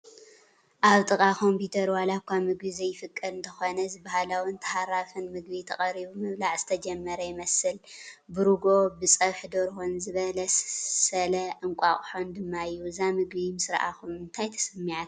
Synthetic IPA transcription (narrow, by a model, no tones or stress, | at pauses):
ʔaβt̪ʼɨkʼakʰo̞mpʰut̪ʰɐɾwalakʰʷamɨɡβizɐjːɪfɨkʼːɐd̪ɨnt̪ʰɐxo̞nɐzɨbahalawɨnt̪ʰɐ̥haɾafɨnmɨɡβit̪ʰɐχʼɐɾiβumɨβlaʕz̥ɨ̥t̪ʰɐd͡ʒɛmːɐɾɐjɪmɐsɨlbɨɾuɡo̞bɨsʼɐβħd̪oɾhonzɨβɐlɐssɐlɐʔɨŋkʷʼaχʼħond̪ɨmːaɨjːuɨzamɨɡβimɨsɨɾ̰ʔa̰kʰumːɨnt̪ʰajt̪ʰɐ̥sɨmːiʕat̪